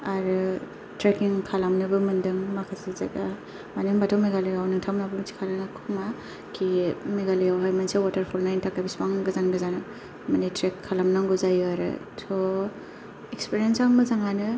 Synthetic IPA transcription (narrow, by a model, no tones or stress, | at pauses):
aɾɯ | tɾekiŋkʰalamnɯbɯmɯndɯŋmakʰasiza̰ɡa | maniŋbatʰawmiɡalijawnɯŋtʰamnabɯmɯnsʰi̥kʰalanakʰuma | kʰimeɡalijawɦajmansewatɐɾpʰɔlnajntʰakabispaŋɡɯzanɡɯzanɯ | manitɾekʰːalamnaŋɡuzajɯaɾɯ̰ | sʰo | ekspiɾijensamɯzaŋanɯ